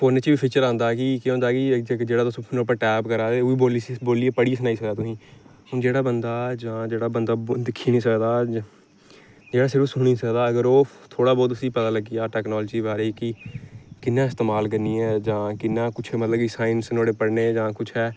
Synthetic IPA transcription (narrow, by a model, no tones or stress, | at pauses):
fʰoːnet͡ʃibiːpʰiːt͡ʃəɾãːnd̪aːkɪkjõːnd̪aːkɪkd͡ʒeːɽaːd̪ʊspʰnʊpəɾʈɛːpkəɾaːt̪eːʊiːboːliboːliːepəɽisənaːiːsəkd̪aːt̪ʊsĩː | d͡ʒeːɽaːbənd̪aːd͡ʒãːd͡ʒeːɽaːbənd̪aːd̪ɪkʰːiːnĩːsəkd̪aː | d͡ʒeːɽaːsɪɾfsʊɽ̃iːsəkd̪aːəɡəɾoː | t̪ʰoːɽaːbɔːt̪̬əsiːpɛːd̪aːləɡijaːʈɛːknɔːlːd͡ʒiːbaːɾiːkɪkɪnːãːɪst̪eːmaːlkəɾniːɛːd͡ʒãːkɪnːãːkʊt͡ʃʰːmət̪ləbkisaːɪnsnoːɽeːpəɽneːd͡ʒãːkʊt͡ʃʰɦɛː